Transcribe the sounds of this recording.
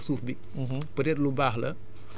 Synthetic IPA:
sufbi | m̩ɦ̩ | pəɾɛt̚lubaɦlə

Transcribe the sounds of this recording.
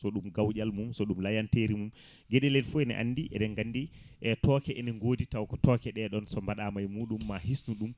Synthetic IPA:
sɔɗumɡawʄalmumsɔɗumlajanteɾimum | ɡɛɗɛlɛtfuɛnɛ̰ʔa̰nːdiʔɛ̰ɗɛŋɡanːdiʔɛtɔːkɛʔɛnɛŋɡoːditawkɔtɔkɛɗɛɗɔnsɔmbaɗamajmuːɗumːahisnuɗum

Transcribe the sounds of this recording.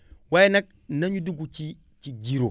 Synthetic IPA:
wajinak̚naɲuduɡut͡ʃi | t͡ʃid͡ʒiɾo

